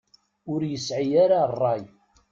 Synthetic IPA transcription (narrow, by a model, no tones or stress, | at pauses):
ʊɾjəsʕijaɾarˤːɑj